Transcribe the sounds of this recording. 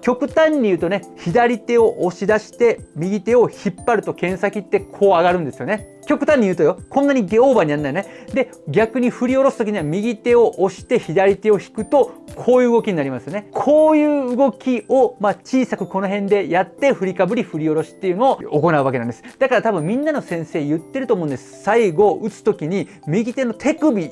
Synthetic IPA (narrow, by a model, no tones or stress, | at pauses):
kʲo̞kɯ̟t̪ãɲ̟ːijɯ̟ːt̪o̞ne̞çid̪aɾʲit̪e̞o̞ʔoɕid̪aɕi̥t̪e̞mʲiɡʲit̪e̞o̞çipːaɾɯ̟t̪o̞kẽ̞ɰ̃sakʲit̪ːe̞kʰo̞ːaɡaɾɯ̟nd̪e̞sɨjo̞ne̞ | kʲo̞kɯ̟̥t̪ãɲ̟ːijɯːt̪ojo̞kõ̞nːaɲ̟iɡeoːbaɲ̟ianːajined̪e̞ | ɡʲakɯ̟ɲ̟iɸɯ̟ɾʲio̞ɾo̞sɨ̥ok̬ʲiɲ̟iβamʲiɡʲit̪e̞o̞ʔoɕi̥t̪e̞çid̪aɾʲit̪e̞o̞çi̥kɯ̟t̪o̞kʰo̞ːjɯ̟ːɡokʲiɲ̟inaɾʲimasɨjone̞kʰo̞ːjɯ̟ːɯɡo̞kʲio̞mat͡ɕiːsakɯ̟ko̞no̞ɦẽ̞nd̪e̞jat̪ːe̞ɸɯ̟ɾʲikabɯ̟ɾʲiɸɯ̟ɾʲio̞ɾo̞ɕi̥t̪ːe̞jɯ̟no̞ːoko̞naɯ̟βakeãnd̪esɨ̥d̪akaɾat̪abɯ̟̃mmʲĩnːano̞sẽ̞ɰ̃se̞ːjɯ̟t̪ːe̞ɾɯ̟t̪oːmo̞ɯ̃nd̪esɨ̥saiɡo̞ʔɯt͡sɨ̥t̪okʲiɲ̟i | mʲiɡʲit̪e̞no̞t̪ʰe̞kɯ̟bʲi